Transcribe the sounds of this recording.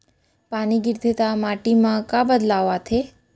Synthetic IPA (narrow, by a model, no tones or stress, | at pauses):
paniɡɪɾd̪ʱet̪amaʈimãkãbəd̪laʋat̪ʰe